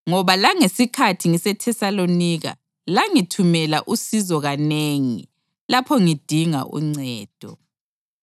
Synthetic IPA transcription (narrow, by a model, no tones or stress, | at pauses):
ŋɔβalaŋesikʰatʰiŋisɛtʰɛsaloniːɣa̰ | laŋitʰumɛla̰ʔusizɔɣaneːŋḭ | lapʰɔŋid̥ʱiŋa̰ʔṵŋ͡ǀɛːd̥ʱɔ